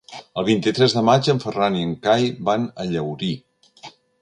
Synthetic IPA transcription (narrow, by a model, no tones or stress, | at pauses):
əlˠβint̪it̪ɾɛzðəmad͡ʒəɱfəraniəŋkajbanəʎəwɾi